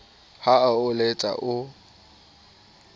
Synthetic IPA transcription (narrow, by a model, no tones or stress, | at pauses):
haaʊlet͡sʼa̰ʔʊ